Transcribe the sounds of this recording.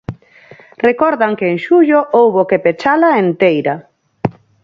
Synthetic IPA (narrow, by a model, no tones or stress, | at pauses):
rekɔɾðaŋkeːŋʃuʎoʔowβokepet͡ʃalaent̪ejɾa